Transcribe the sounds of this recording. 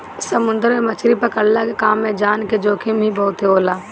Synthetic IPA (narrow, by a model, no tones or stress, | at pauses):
səmʊnd̪əɾmemət͡ʃʰɾipɐɾkəɽlakekaːmːẽd͡ʒaːnked͡ʒoːkʰimʱibɔʊt̪ɦeoːlaː